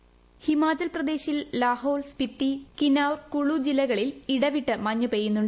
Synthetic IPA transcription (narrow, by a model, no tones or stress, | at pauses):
himaːt͡ɕɐlprɐd̪e̞ːɕillaːhoːɭspit̪ːikinaːwrkuɭud͡ʑilːɐɣɐɭiliɽɐʋiʈːɨmɐɲːɐpeːjunːuɳɖɨ